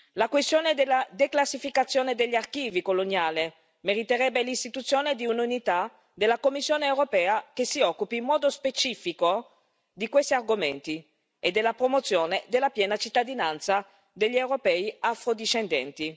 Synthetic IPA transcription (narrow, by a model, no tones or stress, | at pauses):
lakwest̪joːned̪elːad̪eklasːifikat̪sːjoːned̪eʎːiarkiːvikolonjaːle | meɾit̪eɾɛbːelist̪it̪ut̪sːjoːned̪iununit̪a | d̪elːakomːisːjoːneːwɾopɛːakesːiɔkːupiːmːɔːd̪ospet͡ʃiːfiko | d̪ikwest̪iarɡoment̪i | ed̪ːelːapɾomot̪sjoːned̪elːapjɛːnat͡ʃit̪ːad̪inant̪sa | d̪eʎːiewɾopɛːiafɾod̪iʃend̪ɛ̰nt̪i